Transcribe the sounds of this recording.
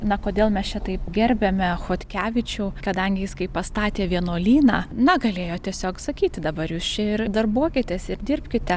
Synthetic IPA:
nɐkoːd̪ʲeːlˠmʲɛst͡ʃʲɛt̪ɐɪpɡʲɛɾʲbʲɛmʲɛxoːt̪ʲkʲæːʋʲɪt͡ʃʲuːkɐd̪ɐŋʲɡʲɪjɪskɐɪppɐst̪ɑːt̪ʲeːʋʲiɛnoːlʲiːnɑ̰ːnɐɡɐlʲeːjoːt̪ʲiɛsʲoːksɐkʲiːt̪ʲd̪ɐbɐɾjuːst͡ʃʲɛɪɾd̪ɐrbuɔkʲɪt̪ʲɛsɪɾd̪ʲɪrʲpʲkʲɪt̪ʲɛ

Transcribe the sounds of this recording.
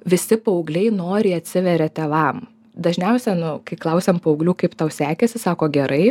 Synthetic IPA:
ʋʲɪsʲɪpɐʊɡlʲɛɪnoːɾʲɪːɐt̪ʲsʲɪʋʲɛɾʲɛt̪ʲɛʋɐm | d̪ɐʒʲnʲɛʊsʲɛnʊkɐɪklˠɐʊsʲɛmpɐːʊɡlʲuːkɐɪpt̪ɑʊsʲæːkʲɛsʲɪsɑːkoːɡʲɛɾɐɪ

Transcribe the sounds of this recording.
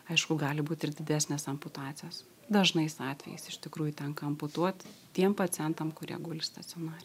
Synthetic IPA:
ɐɪʃkʊɡɑːlʲɪbuːt̪ʲɪɾd̪ʲɪd̪ʲæːsʲnʲeːsɐmpʊt̪ɑːt̪sʲɪjoːs | d̪ɐʒnɐɪsɑːt̪ʲʋʲɛ̰jɛ̰sɪʃʲt̪ʲɪkɾuːjʊt̪ʲɛŋkɐɐmpʊt̪uɔt̪ʲ | tʲiɛmpɐt̪sʲɪjɛnt̪ɐmkʊɾʲiɛɡuːlʲɪst̪ɐt̪sʲɪoːnɑːɾʲɪ

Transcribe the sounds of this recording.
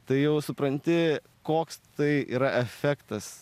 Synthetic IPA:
t̪ɐɪjɛʊsʊpɾɐnʲt̪ʲɪ | koːkst̪ɐɪḭːɾɐʔɛfʲæːkt̪ɐs

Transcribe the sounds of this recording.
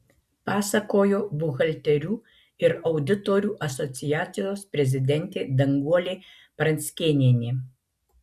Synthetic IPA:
pɑːsɐkoːjoːbʊɣɐlʲt̪ʲɛɾʲuː | ɪɾɐʊd̪ʲɪt̪oːɾʲuːʔɐsɔt̪sʲɪjæːt̪sʲɪjoːspʲɾʲɛzʲɪd̪ʲɛnʲt̪ʲeːd̪ɐŋɡuɔlʲeː | pɾɐnʲsʲkʲeːnʲeːnʲeː

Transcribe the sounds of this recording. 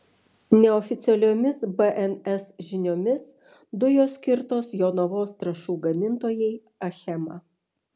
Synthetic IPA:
nʲɛɔfʲɪt̪sʲɛlʲoːmʲɪsbɛʔɛnɛsʒʲɪnʲoːmʲɪs | d̪ʊjoːsʲkʲɪɾt̪oːsjoːnɔʋoːst̪ɾɐʃuːɡɐmʲɪnt̪oːjɛɪ | ɐxʲɛmɑ

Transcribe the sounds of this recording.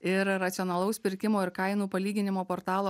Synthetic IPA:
ɪɾːɐt̪sʲɪɔnɐlˠɐʊspʲɪɾʲkʲɪmoːɪɾkɐɪnuːpɐlʲiːɡʲɪnʲɪmoːpoːɾt̪ɑːlˠoː

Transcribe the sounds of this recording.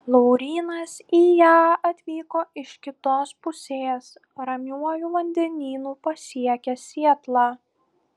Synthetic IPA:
lˠɔʊɾʲiːnɐsiːjæːɐt̪ʲʋʲiːkoːɪʃkʲɪt̪oːspʊsʲeːs | ɾɐmʲuɔjuːʋɐnʲd̪ʲɛnʲiːnuːpɐsʲiɛkʲɛsʲiɛt̪lˠɑː

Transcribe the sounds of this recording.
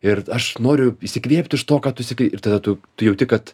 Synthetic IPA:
ɪrɐʃnoːɾʲʊiʃʲsʲɪkʋʲiɛpʲt̪ʲɪʃt̪oːkɑːt̪ʊɪʃsʲɪkʲɪt̪ɐd̪ɐt̪ʊt̪ʊjɛʊtʲɪkɐt̪

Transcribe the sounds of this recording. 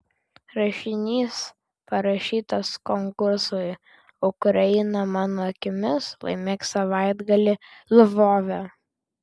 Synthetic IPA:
ɾɐʃʲɪnʲiːs | pɐɾɐʃʲiːt̪ɐskɔŋkʊɾsʊɪ | ʊkɾɐɪnɐmɑːnoːɐkʲɪmʲɪslˠɐ̰ɪmʲeːksɐʋɑˑɪd̪ɡɐlʲɪlʲˠʋoːʋʲɛ

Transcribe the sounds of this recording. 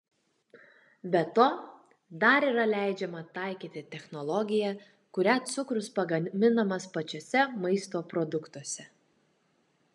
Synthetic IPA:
bʲɛt̪oː | d̪ɐɾiːɾɐlʲæˑɪd͡ʒʲɛmɐt̪ɐˑɪkʲiːt̪ʲɪt̪ʲɛxnɔlˠɔɡʲɪjɛ | kʊɾʲæt̪sʊkɾʊspɐɡɐmʲɪnɐmɐspɐt͡ʃʲosʲɛmɐɪst̪oːpɾɔd̪ʊkt̪uɔsʲɛ

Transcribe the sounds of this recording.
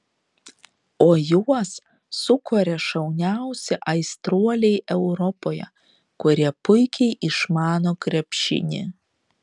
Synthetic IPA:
oːjuɔs | sʊkoːɾʲɛʃɐʊnʲæʊsʲɛʔɐɪst̪ɾuɔlʲɛɪʔɛʊɾɔpoːjɛ̰ | kʊɾʲiɛpʊɪkʲɛɪʔɪʃmɑːnoːkɾʲɛpʲʃʲɪ̰nʲɪ̰

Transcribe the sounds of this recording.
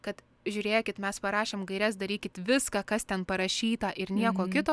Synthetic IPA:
kɐt̪ | ʒʲʊːɾʲeːkʲɪt̪mʲɛspɐɾɑːʃʲeːmɡɐɪɾʲɛs̬d̪ɐɾʲiːkʲɪt̪ʋʲɪskɑkɐst̪ʲɛnpɐɾɐʃʲiːt̪ɐʔɪɾnʲiɛkoːkʲɪt̪oː

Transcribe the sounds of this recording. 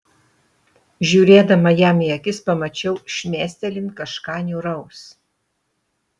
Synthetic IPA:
ʒʲuːɾʲeːd̪ɐmɐjæːmiɐkʲɪspɐmɐt͡ʃʲɛʊʃʲmʲeːsʲt̪ʲɛlʲɪnkɐʃkɑːnʲuːɾɐʊs

